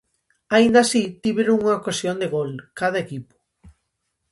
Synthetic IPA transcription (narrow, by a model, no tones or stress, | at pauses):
aind̪asit̪iβeɾuŋɐokasjond̪eɣolkað̞ɐekipʊ̥